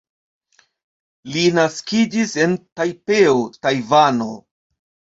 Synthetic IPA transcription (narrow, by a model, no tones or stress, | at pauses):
linaskid͡ʒise̞ntajpe̞otajvano̞̰